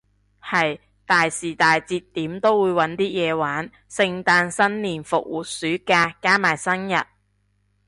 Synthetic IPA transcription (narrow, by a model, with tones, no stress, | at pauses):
hɐ˨j | t̪aː˨jsiː˨˩t̪aː˨jt͡siː˧t̪ːiː˨˥mt̪o˥wwuː˨˧jwɐ˨˥nt̪iː˥jɛː˨˧waː˨˥n | sɪ˧ŋt̪aː˧nsɐ˥nliː˨˩nfʊ˨k̚wuː˨t̚syː˨˥kaː˧kaː˥maː˨˩jsɐ˥njɐ˨t̚